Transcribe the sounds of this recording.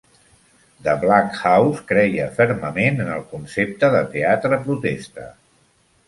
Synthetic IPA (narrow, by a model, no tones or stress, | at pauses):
d̪əβlakxawskɾɛjəfəɾməmenənəlˠkunsep̚t̪əðət̪eat̪ɾəpɾut̪est̪ə̰